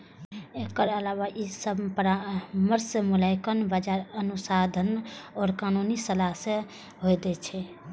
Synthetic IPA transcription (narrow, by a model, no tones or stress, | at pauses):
ekəɾəlawaʔisəbpɾaməɾsemulaɪkənbəd͡ʒaɾənusad̪ʱənɔːɾkanunisəlaɦse | ɦojd̪ɛt͡ʃʰɛ